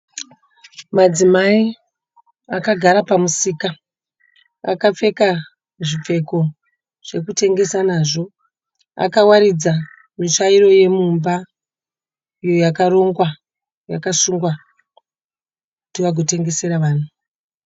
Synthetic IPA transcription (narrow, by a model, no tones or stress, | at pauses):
mad͡zimai | akaɡʱaɾapamusiːka | a̰kap͡fe̞ka | ʐip͡fe̞ko̞ | ʐ̥e̞kute̞ŋɡe̞sanaːʐo̞ | a̰kawaɾid͡za | miʂaiɾo̞je̞mumba | ijo̞jakaɾo̞ŋɡwa | jakasuŋɡwa | kkutiʋaɡʱo̞te̞ŋɡe̞se̞ɾaʋaːn̤u